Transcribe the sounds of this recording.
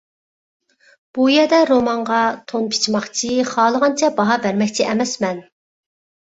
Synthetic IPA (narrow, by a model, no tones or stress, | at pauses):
b̥ujɛd̪ɛɾomɑɴʁɑt̪ʰonpʰi̥t͡ʃʰmɑχt͡ʃʰiχɑːlˠəʁɑnt͡ʃʰɛbɑɦɑbæɾmɛkʲt͡ʃʰiʔɛmɛsmɛn